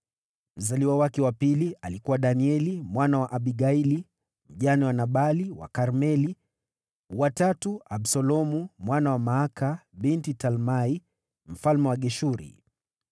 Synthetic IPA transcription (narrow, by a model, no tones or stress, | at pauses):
m̩zaliwawakɛwapilialikuwaɗaniɛlimwanawaʔaɓiɡaili | m̩ʄaniwanaɓaliwa̰kaɾmɛli | watatuabsɔlɔmumwanawamaakabintitalmai | m̩falmɛwaɠɛʃuɾḭ